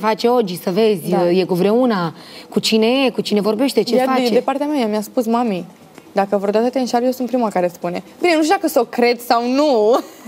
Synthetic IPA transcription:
fat͡ʃe̞o̞d͡ʒisəve̞zʲje̞kuvɾe̞unakut͡ʃine̞jekut͡ʃine̞vo̞rbe̞ʃt̪e̞t͡ʃejfaed̪epaɾrt̪eameajamiaspusmami | d̪akəvɾod̪at̪ət̪enʃaɾjesunt̪pɾimakaɾespune̞binenuʃt̪ud̪akəsokɾe̞d̪sawnu

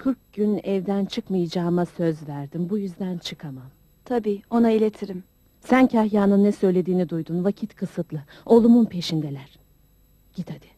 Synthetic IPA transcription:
kʰɯɾk̚ɡɟynɛvd̪ænt͡ʃʰɯkmajɯd͡ʒaːmasø̞zvæɾd̪imbujyzd̪ænt͡ʃʰɯkʰamam | t̪ʰabiːo̞nailʲet̪ʰiɾim | sæncʰahjaːnɯnːɛsø̞jlʲe̞d̪iːnid̪ujd̪unvacʰit̪kʰɯsɯt̪lˠɯ | o̞lˠumunpʰe̞ʃind̪ɛlʲæɾ̥ | ɟ̥it̪ʰad̪ɪ̥

